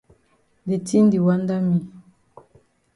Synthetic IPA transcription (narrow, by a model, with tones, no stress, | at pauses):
de˨ti˦n˦di˨wa˦nda˦mi˨